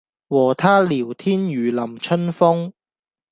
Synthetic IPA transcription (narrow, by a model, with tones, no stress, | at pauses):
wɔː˨˩t̪ʰaː˥liː˨˩wt̪ʰiː˥njyː˨lɐ˨˩mt͡ʃʰɵ˥nfʊ˥ŋ